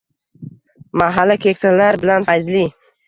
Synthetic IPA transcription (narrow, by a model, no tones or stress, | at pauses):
maɦalːakʲʰekʲsalaɾbɪlanfajzli